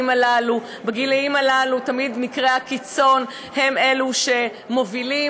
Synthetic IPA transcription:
malalu | beɡilaimalalutamid̪nikʁeakit͡so̞n | he̞me̞luʃe̞ | mo̞vili

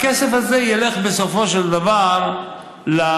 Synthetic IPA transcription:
kesefazejeleχbesofoʃeld̪avaʁ | la

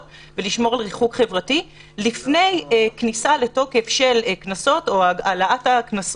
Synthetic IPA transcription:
veliʃmo̞ʁalʁiχukχe̞vʁati | lifne̞jeknisale̞to̞kefʃe̞lknaso̞to̞aalaataknas

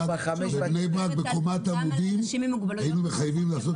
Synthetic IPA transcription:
enejbʁakbekomat̪amud̪imɡainumeχajavimlaːso̞t

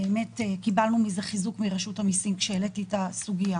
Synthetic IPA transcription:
eeme̞tekibalnumizeχizukmiʁaʃuthamisimkʃeeletitasuɡija

